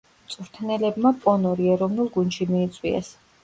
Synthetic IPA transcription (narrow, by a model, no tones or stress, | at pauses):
t̪sʼuɾt̪ʰnɛlɛbmapʼɔnɔɾiɛɾɔvnulˠɡunʃimiːt̪sʼwiɛ̰s